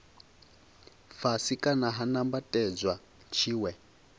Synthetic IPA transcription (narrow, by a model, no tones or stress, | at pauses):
fasikʼanaɦanambatʼɛd͡zʷwa | t͡ʃʰiːwɛ